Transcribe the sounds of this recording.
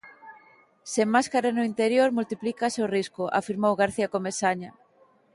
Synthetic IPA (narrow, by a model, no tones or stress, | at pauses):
seŋmaskaɾanʊint̪eɾjoɾmult̪iplikaseowriskʊʔa̰fiɾmowɣaɾθiakomesaɲa